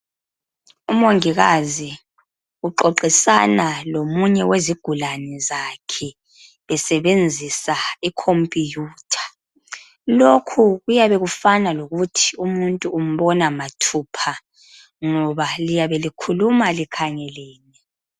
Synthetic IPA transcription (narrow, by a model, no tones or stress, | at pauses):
umoŋiɣazi | uǃoǃisanalomuɲɛweziɡ̥ʱulanɛzakʰɛ | βɛsɛβend͡zʱisaikʰompʼijuːtʰḁ | lokʰuɣujaβɛɣufanaloɣutʰiumuntʼuːm̩βɔnamatʰupʰa | ŋɔβalijaβelikʰulumalikʰaŋɛlɛːnɛ